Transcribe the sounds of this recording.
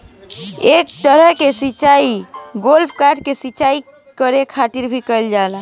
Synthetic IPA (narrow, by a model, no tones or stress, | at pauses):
ekt̪əɾəɦkesit͡ʃaiɡolpʰkaɾɖkesit͡ʃai | kəɾekʰat̪iɾbʱikəld͡ʒala